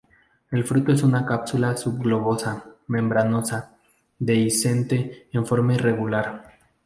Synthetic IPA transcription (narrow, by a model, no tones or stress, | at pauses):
e̞lfɾut̪o̞e̞sunakapsulasubɣlo̞βo̞samẽ̞mbɾano̞sa | d̪e̞ise̞nt̪e̞ːɱfo̞ɾmaire̞ɣulaɾ